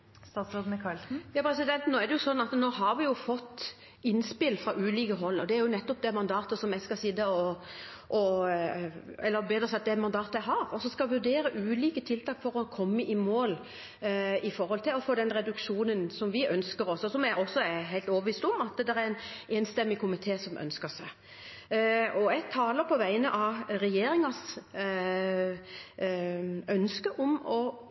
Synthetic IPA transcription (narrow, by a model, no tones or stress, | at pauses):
st̪ɑːt̪sɾoːd̪nəkʰɑlsn̩jɑːpʰɾɛsɪd̪ɛnt̪noːæɾd̪ɛjʊsɔnːɑt̪noːɦɑɾʋɪjʊfɔt̪ː | ɪnspɪlfɾɑʔʉːliːkəɦɔlːəɔd̪ɛæɾjʊnɛt̪ːɔp̚d̪ɛmɑnd̪ɑːt̪əsɔmjæskɑsɪd̪əɔ | ʔɔ | ɛlːəbeːd̪ɾəsɛɑt̪̚d̪ɛæmɑnd̪ɑːt̪əjæɦɑɾɔsɔskɑʋʉɖ̪eːɾəʔʉːliːkət̪ʰɪlt̪ʰɑːkfɔɾɔkʰɔmːəʔɪmoːl | ɪfɔɾhɔlt̪ʰɪlɔfoːd̪ɛnɾɛd̪ʉkʂuːnənsɔmʋɪʔœnskəɾɔsɔsɔmæɔsːɔæɦæɪlt̪oːʋəʋiːst̪ɔmɑt̪ɛd̪æɾæɾɛneːnst̪ɛmːɪkʰʊmɪt̪ʰeːsɔmʔœ̰nskəsæ | ɔæɡ̚t̪ʰɑːləɾpʰɔʋæɪnəʔɑʋɾɛjeːɾɪŋɑs | œnskəʔɔmɔ